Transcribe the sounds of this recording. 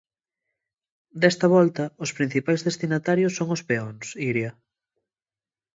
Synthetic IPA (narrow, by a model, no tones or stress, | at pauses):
d̪ɛst̪ɐβɔlt̪ɐʊspɾin̟θipajzðest̪inat̪aɾjosːoŋospeɔnsiɾjɐ